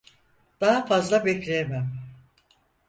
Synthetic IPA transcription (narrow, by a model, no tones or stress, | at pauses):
d̪̥aɦafazlˠabɛclʲejemæm